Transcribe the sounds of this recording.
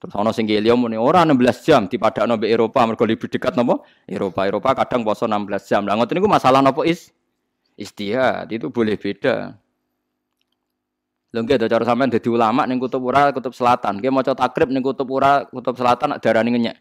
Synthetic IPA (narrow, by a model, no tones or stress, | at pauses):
t̪əɾʊsɔnɔsɪŋkeliɔmunioɾanəmbəlasd̥d͡ʒ̥amd̪̥i̤pad̥a̤ʔnɔmbeeɾopamərɡ̥ɔ̤lib̥i̤ɖ̥ə̤kat̪̚nɔmpɔ | ḛɾopaeɾopakaɖ̥a̤ŋpɔsɔnambəlasd̥ʒ̥amlaŋət̪nikumasalahnɔpɔʔis | ʔist̪ia̰t̪it̪ub̥o̤lɪhb̥eɖ̥a̰ | lʊŋkead̪ɔt͡ʃɔɾɔsampɛŋd̪a̤d̪̥i̤ulamaʔnɪŋkut̪ʊp̚uɾakut̪ʊp̚səlat̪ankemɔt͡ʃɔt̪akɾɪp̚nɪŋkut̪ʊp̚uɾakut̪ʊp̚səlat̪anːa̰ʔd̪̥aɾaniŋəɲɛ̰ʔ